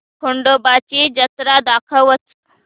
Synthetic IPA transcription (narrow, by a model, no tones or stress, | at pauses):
kʰoɳɖobat͡ɕiːd͡ʑət̪ɾad̪akʰəʋət͡s